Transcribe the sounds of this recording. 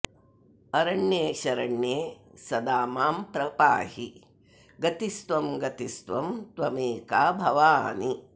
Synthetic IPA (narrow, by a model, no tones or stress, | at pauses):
ɐɾɐɳjeːʃɐɾɐɳjeːsɐd̪aːmaːmpɾɐpa̰ːhi | ɡɐt̪ist̪ʋɐmɡɐt̪ist̪ʋɐmt̪ʋɐmeːkaːbʱɐʋaːni